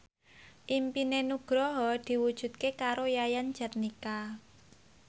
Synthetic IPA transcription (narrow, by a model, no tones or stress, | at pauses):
ʔimpinenuɡ̥ɾɔɦɔd̪̥i̤wud̥ʒ̥ṳt̪̚kekaɾojajan̥d͡ʒ̥a̤t̪̚nika